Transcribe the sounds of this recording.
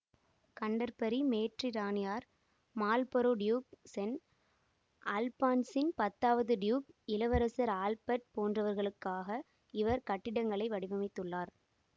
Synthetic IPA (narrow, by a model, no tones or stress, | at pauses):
kɐɳɖɐɾpɐɾimeːʈriɾaːnɪjaːɾ | maːlpɔɾoːɖjuːk̚sɛn | ʔaːlpaːnsɪnpɐt̪ːaːʋɐðɯɖjuːkɪlɐʋɐɾɐsɐɾaːlpɐʈ̚poːndrɐʋɐɾɣɐɭɯkːaːɣɐ | ɪʋɐɾkɐʈːɪɽɐŋɡɐɭɐɪʋɐɽɪʋɐmɪt̪ːɯɭːaːɾ